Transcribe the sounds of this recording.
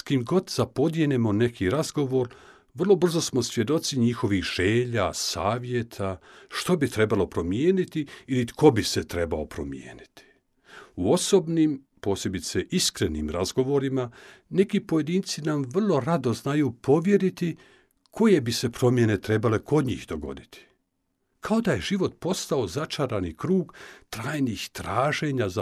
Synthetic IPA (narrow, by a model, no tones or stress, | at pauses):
skimɡo̞d̪z̥apo̞d̪jenemo̞ne̞kʰiɾazɡo̞ʋo̞ɾ | ʋr̩lˠo̞br̩zo̞smo̞sʋje̞d̪o̞t̪siɲixo̞ʋixʒ̥eːʎasaːʋje̞t̪ʰaʃt̪o̞bit̪ɾe̞balo̞pɾo̞mjeːnit̪iilikʰo̞bise̞t̪ɾe̞bao̞pɾo̞̰mjḛːnit̪i̥ | uo̞so̞ːbniːm | po̞ːsjebit̪se̞ʔiskɾe̞nḭːmɾazɡo̞ʋo̞ɾimane̞kipo̞je̞d̪iːnt̪sinamʋr̩lˠo̞ɾad̪o̞znajupo̞ʋje̞ɾit̪i | kʰo̞je̞bise̞pɾo̞mje̞ne̞t̪ɾe̞bale̞ko̞d̪ɲḭːxd̪o̞ɡo̞̰d̪it̪ʰi̥ | kʰao̞d̪aje̞ʒiʋo̞t̪po̞st̪ao̞zat͡ʃaɾanikɾuːɡt̪ɾaːjniːxt̪ɾaːʒe̞ɲaza